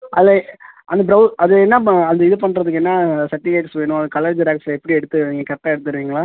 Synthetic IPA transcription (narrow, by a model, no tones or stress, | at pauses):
ʔɐlːɐʔɐnd̪ɐbɾɐɐðɯɛnːɐɐnd̪ɐɪðɯp̬ɐɳːɾɐðɯk̬ːɛnːasɐʈːɪɡaːksʋeːɳʊ̃ɐðɯkɐlɐɾd͡ʒɐɾaːksɛpːɐɽiɛɽɯt̪ːɯiŋɡɐkɐʈːaɛɽɯt̪̬ːɯɾɯʋiːŋɡɐɭaː